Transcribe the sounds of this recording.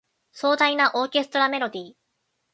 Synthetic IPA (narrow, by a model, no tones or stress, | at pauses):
so̞ːd̪ainaʔo̞ːke̞sɨ̥t̪o̞ɾame̞ɾo̞d̪ʲiː